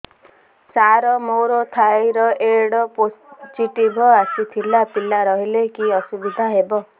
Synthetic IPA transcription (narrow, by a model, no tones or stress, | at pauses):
saɾɔmowɾot̪ʰajɾɔʔeɽɔpot͡ʃiʈibʱɔasit̪ʰilapilaɾɔɦilekiɔsubid̪ʱaɦebɔ